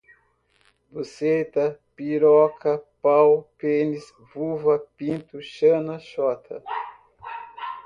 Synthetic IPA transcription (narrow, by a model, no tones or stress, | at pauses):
buset̪ɐpiɾɔkɐpawpenis | vuvɐpĩnt̪uʃɐ̃nɐʃɔt̪ʰɐ